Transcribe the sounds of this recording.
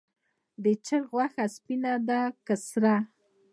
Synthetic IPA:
d̪ɪt͡ʃəɾɣwaxaspɪnad̪akəsɾa

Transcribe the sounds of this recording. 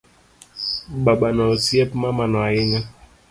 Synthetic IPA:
ɓaɓanaosiɛpmamanaaiɲa

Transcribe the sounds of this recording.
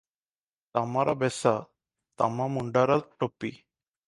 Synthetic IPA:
t̪amaɾabɛsa | t̪a̰mamuɳɖaɾatʈopi

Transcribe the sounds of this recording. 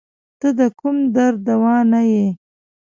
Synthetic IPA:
t̪əd̪əkumd̪aɾd̪awɑnaje

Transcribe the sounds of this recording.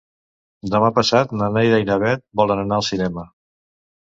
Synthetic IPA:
d̪əmapəsat̪nənajðəjnəβɛt̪̚bɔlˠənənaəlˠsinɛmə

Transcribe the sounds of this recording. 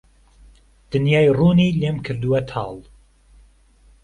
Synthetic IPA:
d̪̥ɨnjaːjruːniːleːmkʰɨɾd̪uwɐt̪ʰɑ̰ːlˠ

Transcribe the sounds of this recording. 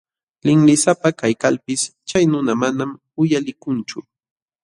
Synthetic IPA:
lɪŋlɪsapakajkalpɪst͡ʃajnʊnamanam | ʊjalɪkʊnt͡ʃʊ

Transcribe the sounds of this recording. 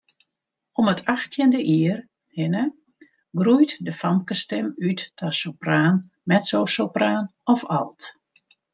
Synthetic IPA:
ɔmətʰaxtʰjəndəʔiər | hɪnə | ɡrujtdəfamkəstɛmytːʰasopraːn | mɛtsowsopraːnɔfalˠt

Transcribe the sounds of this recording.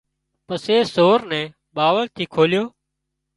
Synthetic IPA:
pəseːsoːɾnɛ̃ː | ɓaːʋəlt̪ʰiːkʰoːljoː

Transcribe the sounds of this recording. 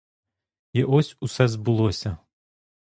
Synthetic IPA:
iʔɔsʲusɛzbɨlˠɔsʲɐ

